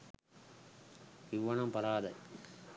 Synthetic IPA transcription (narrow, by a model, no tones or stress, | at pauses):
ɪʋːɐɳɐmpɐɾaːðɐ